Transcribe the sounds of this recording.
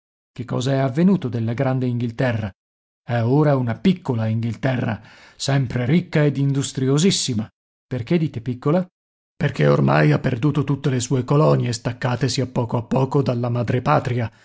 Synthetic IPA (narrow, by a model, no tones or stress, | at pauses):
k̟ekːɔ̰ːzaɛavːenuːt̪od̪elːaɡɾand̪eiŋɡilt̪ɛrːa | ɛoːɾaunapikːolaiŋɡilt̪ɛrːa̰ | sɛmpɾeɾikːaed̪ind̪ust̪ɾiozisːima | perk̟ed̪iːt̪epikːola | perkʰeormajapːerd̪uːt̪ot̪ut̪ːelesuːekolɔnjest̪akːaːt̪esiapːɔːkoapːɔːkod̪alːamad̪ɾepaːt̪ɾia